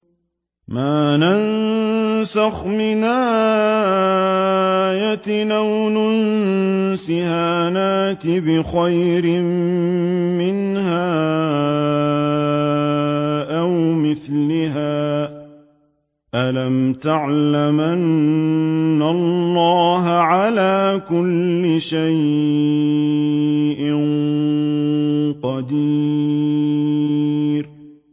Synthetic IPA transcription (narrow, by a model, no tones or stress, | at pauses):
maːnan | saxmɪnaː | jat̪ɪnawnʊnsɪhaːnaːt̪ɪbɪxajɾɪmː | ɪnhaː | ʔawmɪθlɪɦaː | ʔalamt̪aʕlamʔanː | alˤːɑːɦaʕalaːkʊlːɪʃaj | ʔɪn | qɑd̪iː | ɾ